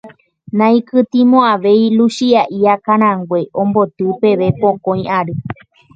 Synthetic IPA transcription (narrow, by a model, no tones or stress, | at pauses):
nãĩkɨt̪ĩmõaʋe̞jluʃiaʔiakãɾ̃ãŋɡwe̞ʔõmbo̞t̪ɨpeʋe̞põkõj̃ʔaɾɨ